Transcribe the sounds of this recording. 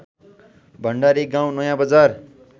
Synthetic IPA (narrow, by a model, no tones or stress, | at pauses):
bʱʌɳɖaɾiɡãw̃nʌjãbʌd͡zar